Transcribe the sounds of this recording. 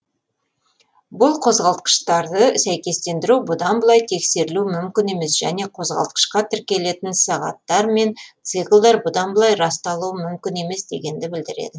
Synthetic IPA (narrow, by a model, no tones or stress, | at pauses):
bʊlˠqʰo̞zʁɑlˠt̪̚qə̥ʃt̪ɑɾd̪əsæjkʲe̞st̪e̞nd̪ɪɾubʊd̪ɑnbəlˠɑjt̪ʰe̞kse̞ɾɪlumʏmkʲɪne̞me̞sʒ̥æ̰ne̞qʰo̞zʁɑ̰lˠt̪qə̥ʃqɑt̪ʰʏɾkʲe̞le̞t̪ɪnsɑʁɑ̰t̪ːɑɾme̞nt̪sɨqʲəlˠd̪ɑɾbʊd̪ɑnbəlˠɑjɾɑst̪ɑlˠuəmʏmkʲɪne̞me̞sd̪e̞̰ɡʲe̞nd̪ɪbɪld̪ɪɾe̞̰d̪ɪ